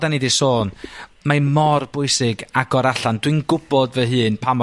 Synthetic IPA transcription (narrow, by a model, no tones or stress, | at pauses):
danidisoːnmajmɔrb̥ʊɨsɪɡaɡɔɾaɬandwɨnɡʊb̥ɔdvəɦɨːnpʰamɔ